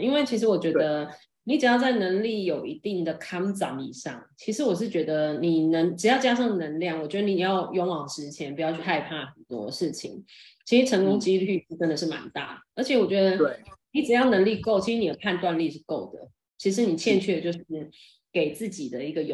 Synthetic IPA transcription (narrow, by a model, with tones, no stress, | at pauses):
i˥nwe˥˩ɪt͡ɕʰi˧˥ʂ̬ɻ̩˧˥wɔ˨˩t͡ɕɥɛ˧˥d̪ə˧ | ni˧˥ʈ͡ʂɻ̩˨˩jɑ˥˧ʊt͡sa˥˩ɪnə˧˥ŋli˥˩jo˨˩ʊi˧˥t̪i˥˩ŋd̪ə˩kʰɑ˥ŋt͡sɑ̰˧˩ŋḭ˨˩ʂɑ̰˥˩ŋt͡ɕʰi˧˥ʂɻ̩˧˥wɔ˨˩ʂ̬ɻ̩˥˩t͡ɕɥɛ˧˥d̪ə˧ni˨˩nə˧˥ŋʈ͡ʂɻ̩˨˩jɑ˥˩ʊt͡ɕja˥ʂɑ˥˩ŋd̪ə˩nə˧˥ŋljɑ˥˩ŋwɔ˨˩t͡ɕɥɛ˧˥d̪ə˧ni˨˩i˨˩jɑ˥˩ʊjo˧˥ŋwɑ˨˩ŋʂɻ̩˧˥t͡ɕʰjɛ˧˥npu˧˥jt͡ɕʰy˥˧xa˥˧ɪpʰa˥˩xə˨˩nt̪wɔ̰˦ʂɻ̩˥˩t͡ɕʰḭ˨˩ŋ | t͡ɕʰi˧˥ʂɻ̩˧˥ʈ͡ʂʰɤ˧˥ŋko˥ŋt͡ɕi˥ly˥˧˥ʈ͡ʂə˥nd̪ə˨˩ʂɻ̩˥˩ma̰˨˩nt̪a̰˥˩ə˞˧˥t͡ɕʰjɛ˧˦wɔ˨˩t͡ɕɥɛ˧˦˥d̪ə˧ni˨˩ʈ͡ʂɻ̩˨˩jɑ˥˩ʊnə˧˥ŋli˥˧ko˥˩ʊt͡ɕʰi˧˥ʂɻ̩˧ni˨˩ə˦pʰa˥˧nt̪wa˥˧nli˥˧ʂ̬ɻ̩˥˧ko˥˩ʊd̪ə̰˩ | t͡ɕʰi˧˥ʂ̬ɻ̩˧˥ni˨˩t͡ɕʰjɛ˥˧nt͡ɕʰɛ˥˧t͡ɕjo˥˧ʊʂ | ke˨˩ɪt͡sɹ̩˥˩t͡ɕi˨˩d̪ə˩˦i˧˥ɡə˧jo̰˨˩